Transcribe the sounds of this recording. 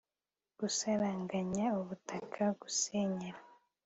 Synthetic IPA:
ɡ̥usaɾaːŋɡaɲauβutʰakʰaɡuseɲeɾa

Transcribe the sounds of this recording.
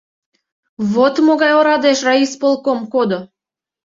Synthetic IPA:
βot̪moɣɑjoɾɑd̪eʃrɑispolˠkomkod̪o

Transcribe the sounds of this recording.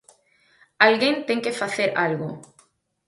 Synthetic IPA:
alɣent̪eŋkefaθeɾa̰lɣo

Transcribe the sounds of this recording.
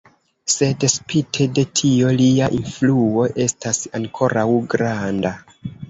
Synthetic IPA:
se̞dspitʰe̞de̞tʰio̞liaʔinfluo̞ʔe̞stasaŋkʰo̞ɾʔawɡɾanda

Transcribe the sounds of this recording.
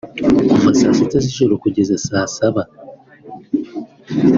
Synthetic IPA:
ufasasitaziʃoɾokuɟezasaːsaβa

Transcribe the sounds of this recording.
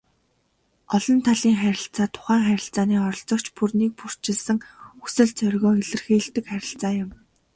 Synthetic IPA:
ɔɮɞ̆nt̪ʰaɮiːŋχæɾʲɪ̆ɬt͡saːt̪ʰʊ̥χæːŋχæɾʲɪ̆ɬt͡saːniːɔɾɞ̆ɬt͡sɞ̆kt͡ɕpurniːk̚pur̥t͡ɕɪ̆ɮsə̆ŋusɘ̆ɮt͡sœrʲɣɔːɡeɮɘ̆rxiːɮt̪ɘ̆kχæɾʲɪ̆ɬt͡saːjʊ̆m

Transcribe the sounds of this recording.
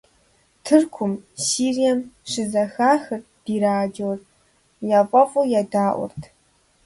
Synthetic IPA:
tʰɨrkʷʰʊmsiːrijɐmʂɪzɐxaːxɨr | d̥iːɾaːd͡ʒowz | jaːpʷʼɐfʼujaːdaːʔʷʊ̰rtʰ

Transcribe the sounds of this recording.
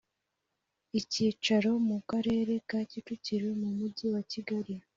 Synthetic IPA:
iciːt͡ʃaɾo̞mukaɾe̞ːɾe̞kaːcituciɾwe̞mumuɟiwaciɡaɾi

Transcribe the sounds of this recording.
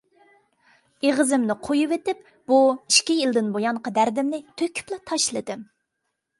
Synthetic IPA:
eʁəzɪmnɪqʰojuvet̪ɪp | b̥uiʃkʲijilˠd̪ɪnbojɑɴqɑd̪æɾd̪ɪmnɪt̪ʰøkʲʰy̥plˠɑt̪ʰɑʃlˠɨd̪ɨm

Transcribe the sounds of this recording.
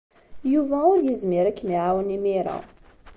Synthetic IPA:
juvæʊɾjəzmɪɾækːmiʕawənimiɾˤa̰

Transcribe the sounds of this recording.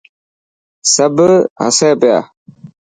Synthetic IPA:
sabəha̰sapəja̰

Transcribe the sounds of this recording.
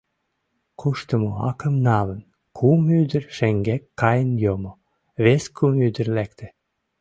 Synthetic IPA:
kʰuʃt̪əmoɑkəmnɑlən | kʰumyd̪ərʃeŋɡækːɑjənjomo | βeskʰumyd̪ərlæk̚t̪ĕ̥

